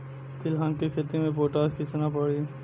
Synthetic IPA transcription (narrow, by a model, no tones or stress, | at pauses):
t̪ɪlɦãnkikʰet̪imẽpoːʈaːskisɐnapəɽi